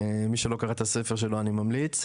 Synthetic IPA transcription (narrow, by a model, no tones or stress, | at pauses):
miʃelo̞kaʁat̪asefeʁʃ̬e̞loanimamlit͡s